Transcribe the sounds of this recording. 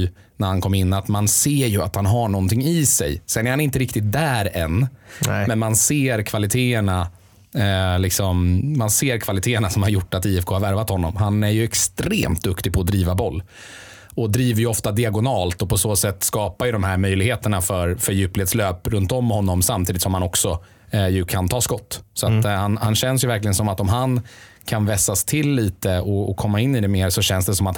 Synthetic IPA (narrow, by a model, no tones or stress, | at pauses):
næɾhankʰɔmːɪnːat̪manseːɾjɵat̪hanɦaɳɔnt̪ɪŋːɪsɛ̰jsɛnːæɾhanɪnt̪əɾɪkt̪ɪt̪̚d̪æːɾɛnːmɛnmanseːɾkʰvalɪt̪ʰeːəɳa | lɪksɔmːanseːɾkʰvalɪt̪ʰeːəɳasɔmhaɾjʊʈːat̪iːɛfkʰoːhaɾvæɾvat̪hɔnːɔmɦanæɾjɵɛkst̪ɾḛːmt̪̚d̪ɵkt̪ɪpʰɔːd̪ɾiːvabɔlː | ɔd̪ɾiːvəjɵɔft̪ad̪ɪaɡʊnɑːlt̪ɔpʰɔsoːsɛt̪ːskɑːpajɵd̪ɔmɦæɾmœjlɪɡheːt̪əɳafœɾfœɾjʉ̟ːplɪɛt̪sløːpɾɵnt̪ɔmːhɔnːɔmsamt̪iːd̪ɪt̪sɔmhanɔksɔ | jɵkʰant̪ʰɑːskɔt̪ːsɔat̪hanhanɕɛns̬jɵvæɾklɪɡənsɔmat̪ɔmɦankʰanvɛsast̪ʰɪlːiːt̪əɔɔkʰɔmːaɪnːɪd̪ɛmeːɾsɔɕɛnsd̪ɛsɔmat̪